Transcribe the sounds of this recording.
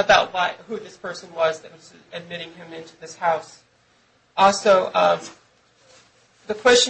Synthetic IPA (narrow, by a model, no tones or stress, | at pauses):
ɨbaʊt̚waɪhʉðɪspʰɜ˞sɨ̃nwʌzðɨt̚wʌz | ɨd̚mɪɾɪ̃ŋɨ̃mɪ̃ntʉðɪshaʊs | ʔɔlˠsoʊʌ | ðɨkʰw̥ɛst͡ʃɨ̃